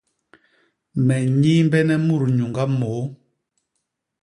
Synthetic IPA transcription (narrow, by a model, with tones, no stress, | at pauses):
mɛ˨ɲiː˦mbɛ˦nɛ˦mu˦˨ɾu˨ɲu˨ŋɡa˦mɔː˨˦